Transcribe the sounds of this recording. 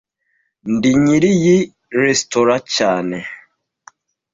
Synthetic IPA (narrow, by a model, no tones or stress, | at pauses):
ndiɲiɾiji | ɾestoɾacaːne